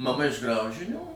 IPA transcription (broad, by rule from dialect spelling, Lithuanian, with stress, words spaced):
mɐˈmɐ ɪʃ ˈɡrɐʊʒʲɪnʲuː